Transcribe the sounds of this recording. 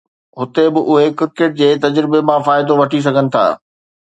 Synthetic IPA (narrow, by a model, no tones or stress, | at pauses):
ɦʊt̪ebɪʔʊɦekɪɾkeːʈ̚d͡ʑeːt̪ɐd͡ʑɾɪbemãfaːɪd̪oʋɐʈʰis̬ɐɡʱənɪ̆t̪ʰa̰ː